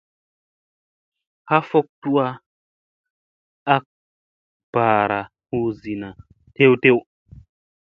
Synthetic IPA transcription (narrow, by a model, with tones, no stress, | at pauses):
ha˦fo˦k̚tu˦a˦ | a˦k̚ | b̥a˨ɾa˨ | hu˦zi˨na˨ | te˦wte˦w